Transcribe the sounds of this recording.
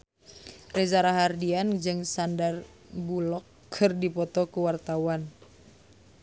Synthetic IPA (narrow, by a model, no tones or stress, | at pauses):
rɛzaɾaɦardiand͡ʒɨŋsandar | bulɔkʰː | ɨrdipɔt̪ɔkuwart̪awan